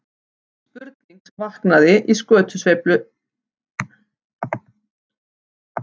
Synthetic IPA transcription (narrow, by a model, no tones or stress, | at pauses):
spʏɾt̪niŋksvahknaðɪʔiskœːt̪ʰʏsvejplʏ